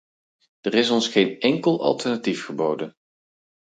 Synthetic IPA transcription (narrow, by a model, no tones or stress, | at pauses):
d̥ərɪsɔnsχejnɛŋkəlˠɑ̰lˠtɛɹnatifχəbowdən